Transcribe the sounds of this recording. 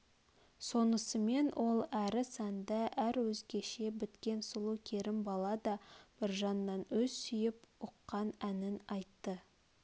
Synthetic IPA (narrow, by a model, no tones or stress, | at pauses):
so̞nəsəme̞nwʔo̞lˠæɾɪsænd̪ɑʔæɾwɵzɡʲe̞ʃe̞bɪt̪kʲe̞nsʊlˠukʲʰeɾɪmbɑlˠɑd̪ɑb̥ɪɾʒɑnːɑnwɵzsʏjɪpʊqːɑnænɪnɑjt̪ːə